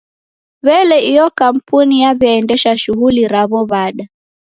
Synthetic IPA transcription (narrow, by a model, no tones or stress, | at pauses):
βɛlɛiɔkam̩punijaβjaɛndɛʃaʃuɣuliɾaβɔβaɗa